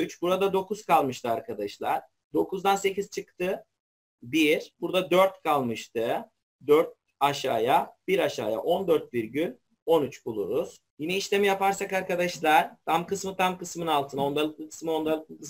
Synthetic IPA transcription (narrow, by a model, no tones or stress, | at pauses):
yt͡ʃbuɾad̪ad̪o̞kuz̥kʰalˠmɯʃt̪ʰɯaɾkʰad̪aʃlˠaɾ̥ | d̪o̞kuzd̪anse̞cizt͡ʃʰɯkt̪ʰɯ | biɾbuɾd̪ad̪øɾt̪kʰalˠmɯʃt̪ʰɯ | d̪øɾt̪̚ | aʃaːjabiɾaʃa̰ːja̰ʔo̞nd̪øɾt̪̚viɾɟylʲ | o̞nyt͡ʃbulˠṵɾuz̥ | jinɛiʃlʲe̞mijapaɾsakaɾkad̪aʃlˠaɾ̥t̪ʰamkɯsmɯt̪ʰamkɯsmɯnalˠt̪ʰɯno̞nd̪alˠɯk̚lˠɯkʰɯ̥smɯo̞nd̪alˠɯk̚lˠɯkɯs